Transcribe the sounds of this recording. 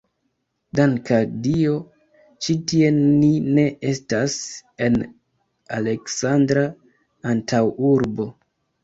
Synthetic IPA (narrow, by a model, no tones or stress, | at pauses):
daŋkadio̞ | t͡ʃitie̞nine̞ʔe̞stase̞n | ale̞ksandɾa | antʰawuɾbo̞